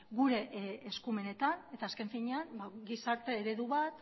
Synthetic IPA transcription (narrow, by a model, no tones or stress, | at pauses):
ɡuɾe̞ːskume̞ne̞t̪ane̞t̪aːske̞ɱfiɲe̞anbaɡisaɾt̪e̞ːɾe̞ðuβat̪